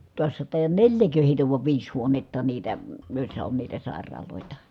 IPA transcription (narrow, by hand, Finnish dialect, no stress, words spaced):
tuɑsːɑ tɑˑijɑn nelʲjækø heˑitæ ʋuɑʋ ʋiːs huonetːɑ niːtæ joˑi̯sːɑ on niːtæ sɑˑerˑɑːloˑetɑ